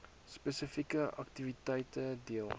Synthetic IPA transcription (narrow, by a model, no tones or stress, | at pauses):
spəsəfikəʔɐ̰k̚tivitəjtədiəlˠ